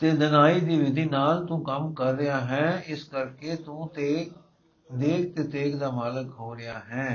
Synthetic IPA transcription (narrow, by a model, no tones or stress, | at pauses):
t̪eːd̪ənaːiːd̪iːʋɪd̪ʱiːnaːlt̪ũːkəmkəɾːɪaːɦɛ̃ːɪskəɾkeːt̪ũːt̪eː | d̪eːk̚t̪eːt̪eːkd̪aːmaːləkɦoːɾɪjaːɦɛ̃ː